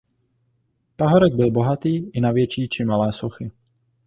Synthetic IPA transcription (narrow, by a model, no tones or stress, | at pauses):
paɦoɾɛɡ̚bɪlbo̞ɦat̪iːɪnavjɛt͡ʃiːt͡ʃɪmalɛːsoxɪ